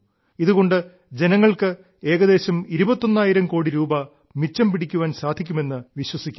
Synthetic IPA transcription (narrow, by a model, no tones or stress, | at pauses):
iðuɣo̞ɳɖɨ | d͡ʑe̞nɐŋːɐɭkɨ | e̞ːɣɐðe̞ːɕɐmiɾubɐt̪ːonːaːjiɾɐmko̞ːɽiɾuːbɐ | mit͡ɕːɐmpiɽikʲːuʋaːnsaːd̪ʱikʲːume̞nːɨʋiɕwɐsikʲː